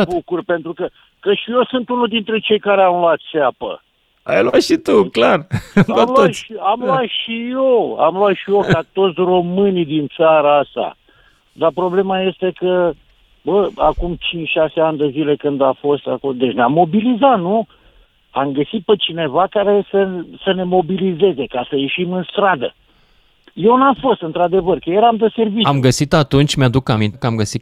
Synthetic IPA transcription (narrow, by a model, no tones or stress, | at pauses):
bukurpe̞nt̪ɾukə | kəʃijo̞sɨnt̪unuld̪int̪ɾe̞t͡ʃe̞jkaɾeamloat̪ʃeapə̰ | a̰jlwat̪ʃit̪uklaramloaʃiamloat̪ʃijo̞a̰mloat̪ʃijo̞kat̪o̞t̪sʲro̞mɨnid̪int̪saɾaast̪a̰ | d̪apɾo̞ble̞maje̞st̪e̞kə | bəakumt͡ʃint͡ʃʃase̞anʲd̪ezile̞kɨnd̪afo̞st̪a̰kod̪e̞t͡ʃʲneamːo̞bilizat̪nu | amɡəsit̪̚pet͡ʃine̞vakaɾe̞səsəne̞mo̞bilize̞ze̞kasəje̞ʃimɨnst̪ɾad̪ə̰ | je̞wnafo̞st̪ɨnt̪ɾad̪e̞vərkəjeɾamd̪əse̞rviamɡəsit̪at̪unt͡ʃʲmead̪ukamint̪kəamɡəsi